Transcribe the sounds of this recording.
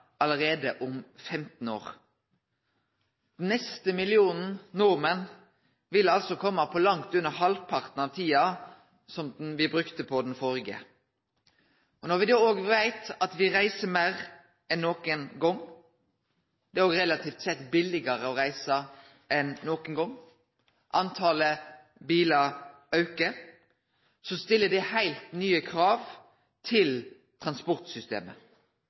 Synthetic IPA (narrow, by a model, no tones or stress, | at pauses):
ɑləʁeːd̪əʔʊmfɛmt̪n̩o̰ːʁ | d̪̥ɛn̩nɛst̪əmɪlɪuːnn̩nʊʁmən | ʋɪlɑlsɔkʰɔmːəpʰɔlɑŋt̪ʉnəhɑlpʰɑʁt̪n̩ɑʋt̪ʰiːɑ | sɔmd̪nʋɪbɾʉkt̪əpʰɔd̪nfoːʁɪɡə̰ | ɔnɔʁʋɪd̪oːoːɡʋæɪt̪ɑt̪ʋɪʁæɪsəmeːʁ | ɛnːoːkənɡɔŋ | d̪̥ɛæɾoːɡʁɛlɑt̪ʰiːft̪sɛt̪ːbɪlɪɡəɾəɔɾæɪsə | ɛnːoːkənɡɔŋː | ʔɑnt̪ʰɑːlə | biːlɑ | œʉkə | sɔst̪ɪlːəd̪ɪhæɪlt̪nyːəkʰɾɑːʋ | t̪ʰɪl | t̪ʰʁɑnspɔʁt̪sʏst̪ḛːmə̰